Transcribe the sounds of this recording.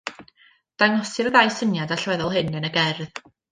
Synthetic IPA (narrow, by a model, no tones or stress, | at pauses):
d̥aŋɔsɨrəðajsənjadaɬwɛðɔlˠɦɨnənəɡɛrð